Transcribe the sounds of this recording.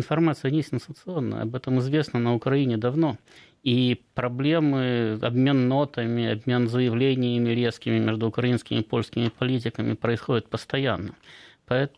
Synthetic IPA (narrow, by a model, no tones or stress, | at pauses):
ɪnfɐrmat̪sɨjənʲesʲɪnsənt̪sɨo̞nːə̰jə̰ɐ̰bɛt̪əmɨzvʲe̞snənəʊkɾɐinʲɪd̪ɐvno̞ | ipɾɐblʲe̞mɨɐ̰bmʲe̞nːo̞t̪əmʲɪɐbmʲe̞nzəjɪvlʲenʲɪjəmʲɪɾʲe̞skʲɪmʲɪmʲeʐd̪ʊʊkɾɐinskʲɪmʲɪpo̞lʲskʲɪmʲɪpɐlʲit̬ʲɪkəmʲɪpɾəɪsxo̞dʲɪt̪̚pəst̪ɐjanːəpɐɛt̪